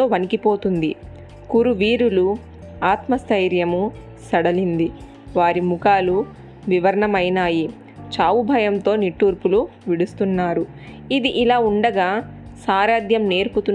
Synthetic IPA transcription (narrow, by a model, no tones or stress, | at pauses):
oːʋɐnikipo̞ːt̪und̪i | kuɾuʋiːɾulu | aːt̪mɐst̪ʰɐjɾjɐmu | sɐɽɐlind̪i | ʋaːɾimukaːlu | ʋiʋɐɾɐɳɐmɐjnaːji | t͡ʃaːʋubʱɐjɐmt̪o̞ːniʈːuːɾpuluʋiɽust̪unːaːɾu | id̪iʔilaːuɳɖɐɡaː | saːɾaːd̪jɐmne̞ːɾput̪un